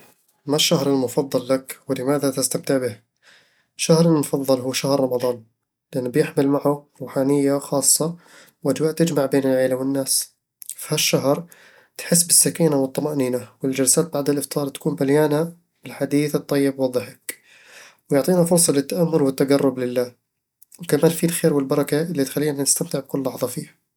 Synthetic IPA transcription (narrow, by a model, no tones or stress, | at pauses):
maʃːahɾɪlmʊfɑðˤːɨlːakwɪlɪmaːðat̪ɪst̪amt̪ɪʕbɪh | ʃːahɾɪlmʊfɑðˤːɨlɦuːʃahɾːˤɑmɑðˤɑːn | lɪʔɪnːbjɪħmɪlmaʕʊɾˤuːħaːnɪjːaxɑːsˤːɑ | wʔad͡ʒwaːʔt̪ɪd͡ʒmaʕbeːnɪlʕeːlawɪnːaːs | fi̥haʃːaɦɾ | t̪ħɪs̬ːbɪsːakiːnawɨt̪ˤːɑmaʔniːnawɪld͡ʒalsaːt̪̚baʕd̪ɪlʔɪft̪ɑːɾˤt̪ḁkuːmbaljaːna | bɪlħad̪iːθɨt̪ˤːɑjːɪbwɑðˤːɨħḁk | wjʊʕt̪ˤiːnafʊɾsˤɑlɪt̪ːaʔamːʊlwɪt̪ːaɡarˤːʊblɪlːaː | wkamaːnfilxeːɾwɪlbɑɾˤɑkaʔɪlːit̪xalːiːnanɪst̪amt̪ɪʕb̚kʊlːɑħðˤɑfiːha